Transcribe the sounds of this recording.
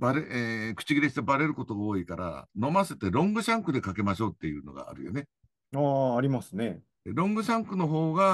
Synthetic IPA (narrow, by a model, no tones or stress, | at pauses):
baɾeekɯ̟̥t͡ɕiɡʲiɾeɕi̥t̪ebaɾe̞ɾɯ̟ko̞t̪o̞ɡaoːikaɾa̰no̞maset̪eɾõ̞ŋɡɯ̟ɕãŋkɯ̟d̪e̞kake̞maɕo̞ːt̪ːe̞jɯ̟̰ːno̞ɡa̰ːɾɯ̟̰jo̰ne | aːɾʲimasɨne̞ | ɾõ̞ŋɡɯ̟ɕãŋkɯ̟no̞ɦo̞ːɡa